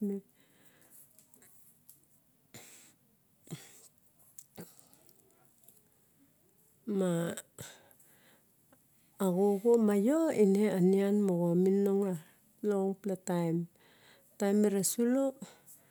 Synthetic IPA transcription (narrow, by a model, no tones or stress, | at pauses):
me | ma | ɡoɡomajoineanianmoɣominoŋa | loŋplatajm | tajmeɾasulo